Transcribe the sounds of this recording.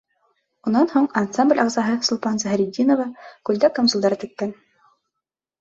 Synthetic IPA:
unːɑnhuɴɐnt̪samblʲɑʁzɑɦɤsŭlˠpɑnzæɦɘ̆ɾʲid̪ʲːinovɑkʉlʲd̪ækomsulˠd̪ɑɾɤt̪ɘ̆kkːæn

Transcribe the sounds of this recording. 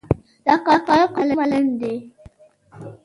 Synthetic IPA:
dakakajɔkaləmalɛn̩de

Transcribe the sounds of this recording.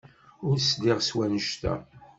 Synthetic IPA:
ʊɾsd̪ɪʁswænəʃt̪æ̰

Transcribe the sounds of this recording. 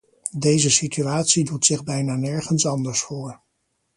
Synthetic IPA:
dejzəsityaːtsidutsɪχbɛjnaːnɛɹχənsɑndəɹsfoːɹ

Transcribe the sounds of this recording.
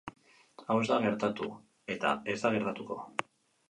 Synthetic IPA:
awe̞zd̪aɣe̞ɾt̪at̪u | e̞t̪a̰e̞zd̪aɣ̞e̞ɾt̪at̪uko̞̰

